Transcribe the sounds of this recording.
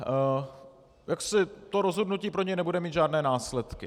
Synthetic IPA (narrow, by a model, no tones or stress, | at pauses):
jaksɪt̪o̞ɾozɦo̞dnuciːpɾoɲɛjnɛbudɛmiːt̪ʒaːdnɛːnaːslɛt̪kɪ